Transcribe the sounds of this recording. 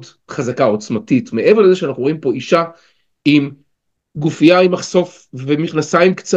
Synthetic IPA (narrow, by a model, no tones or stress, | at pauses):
d | χazakao̞t͡smatitmeʔe̞ve̞ʁlezeʃeanaχnuʁo̞impo̞iʃa | im | ɡufijaimaχso̞f | vemiχnasaimkt͡sa